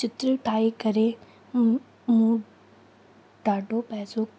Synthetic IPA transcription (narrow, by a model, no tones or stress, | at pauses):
t͡ʃɪt̪ɾiʈʰaːikɐɾe | mũː | ɖaːɖʱopɛɦso